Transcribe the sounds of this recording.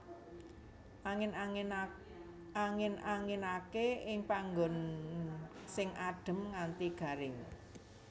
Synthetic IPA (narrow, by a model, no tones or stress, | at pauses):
ʔaŋɪn | aŋɪnaŋɪnakeɪŋpaŋɡɔn | sɪŋʔaɖ̥ə̤mŋant̪iɡ̥a̤ɾɪŋ